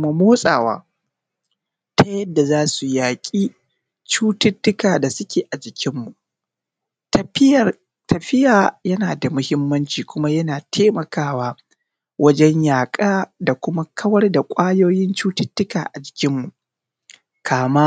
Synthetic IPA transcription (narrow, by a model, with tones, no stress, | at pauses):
ma˦moː˦sʼa̰ː˨wa̰ː˦ | tʰa˦jɐ˦dːa˨zaː˦su˨jaː˨kʲʼiː˦ | t͡ʃuː˦tɪ˦tːʊ˦kaː˨da˨sʊ˦kʲeː˨ʔa˨d͡ʒɪ˨kʲɪ˦mːu˨ʔ | tɐ˨ɸɪ˦jaː˨jɐ˦naː˨da˨mʊ˦hɪ˦mːɐ˦nt͡ʃiː˨kʷʊ˦ma˦jɐ˦naː˨tʰeː˦mɐ˨kaː˦waː˦ | wɐ˦d͡ʒɛ˦ɲjaː˨kʼaː˦da˨kʷʊ˦ma˦kʰɐ˦wɐ˦rda˨kʷʼaː˦joː˦jɪ˦nt͡ʃuː˦tɪ˦tːʊ˦kaː˨ʔa˨d͡ʒɪ˨kʲɪ˦mːu˨ | kʰaː˨ma˦